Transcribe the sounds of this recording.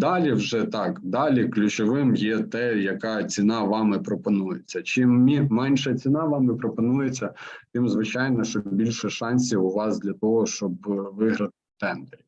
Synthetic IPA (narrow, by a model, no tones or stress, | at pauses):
d̪ɑlʲiwʒɛt̪ɑkd̪ɑlʲiklʲʊt͡ʃɔʋɪmjɛt̪ɛjɐkɑt͡sʲinɑʋɑmɪpɾɔpɔnujet͡sʲːɐt͡ʃɪmːʲimɛnʲʃɐt͡sʲinɑʋɑmɪpɾɔpɔnujet͡sʲːɐt̪ɪmzʋɪt͡ʃɑjnɔʃt͡ʃɔbʲilʲʃɛʃɑnʲsʲiʊʋɑsd̪lʲɐt̪ɔɦɔʃt͡ʃɔb̚ʋɪɦɾɐt̪ɪt̪ɛnd̪eɾʲi